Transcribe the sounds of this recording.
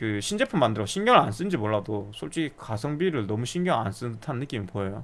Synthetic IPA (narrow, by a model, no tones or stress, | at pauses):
kɯɕʰind͡ʑepʰɯmandɯɾʌɕʰinɡjʌŋɯans͈ɯnd͡ʑimoɭːadosʰoɭt͡ɕ͈iɡikasʰʌŋbiɾɯɭnʌmuɕʰiŋɡjʌŋa̰ns͈ɯtʰanːɯk͈imɯpoejo